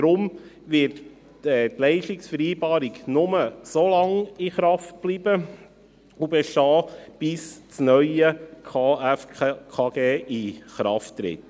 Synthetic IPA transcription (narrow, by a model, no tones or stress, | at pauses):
d̥ɾʊm | ʋɪt | ɛt̪lɛɪʃtɪksfəɾiːbɑːɾiɡnʊməsolɑŋiχɾɑft̚b̥libə | ubɛʃtɑːb̥ɪst͡snœʏəkʰɑːæfkʰɑːɡ̥eːʔiχɾɑ̰ftːɾɪ̰t̪